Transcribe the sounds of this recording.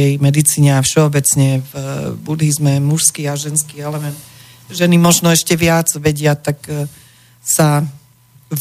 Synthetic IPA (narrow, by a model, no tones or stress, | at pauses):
ɛjmɛd̪it͡siːɲɛafʃɛɔbɛt͡sɲɛvbud̪ɦizmɛmuʃskiːaʒɛnskiːɛlɛmɛnt̪ | ʒɛnimɔʒnɔɛʃcɛʋɪad͡zʋɛɟɪat̪ak | sa